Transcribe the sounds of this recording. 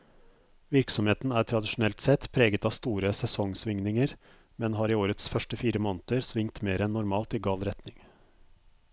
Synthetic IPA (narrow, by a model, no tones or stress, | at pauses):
ʋɪɾksɔmheːt̪n̩æːɾʈʰɾɑd̪ɪʃʊnɛlt̪sɛt̪pʰɾeːɡət̪ɑːst̪uːɾəsɛsɔŋsʋɪŋnɪŋəɾ | mɛnɦɑːɾiːoːɾət̪sfœʂʈəfiːɾəmɔːnət̪əɾsʋɪŋt̪meːɾɛnːʊɾmɑːlt̪iːɡɑːlɾɛt̪nɪŋ